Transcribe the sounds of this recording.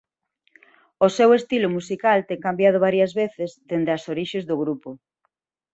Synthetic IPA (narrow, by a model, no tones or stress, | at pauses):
ʊsewest̪ilʊmusikalt̪eŋkambjað̞ʊβ̞aɾjɐzβeθezd̪end̪ɪɐsoɾiʃezðʊɣɾupʊ